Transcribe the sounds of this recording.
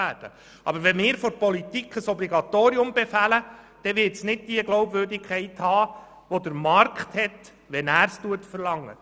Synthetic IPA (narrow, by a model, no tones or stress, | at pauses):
æːd̥ə | ʔɑ̰bəɾʋɛnmɪːɾfoɾpɔlit̪ikχəsɔbliɡɑt̪oːɾiʊmbɛfælə | d̥ɛʋɪtsnɪd̚d̥iəɡloʊbvøɾdikʰχɛɪthɑː | ʋodəɾmɑrkχthɛt | ʋɛnæːɾstuətfərlɑŋːə̰